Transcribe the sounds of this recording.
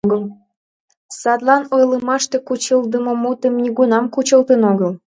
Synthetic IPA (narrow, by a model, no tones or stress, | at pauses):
ɣəl | sɑd̪lɑnojləmɑʃt̪ekut͡ɕəld̪əmŏmut̪əmnʲiɣunɑmkut͡ɕəlt̪ənoɣəl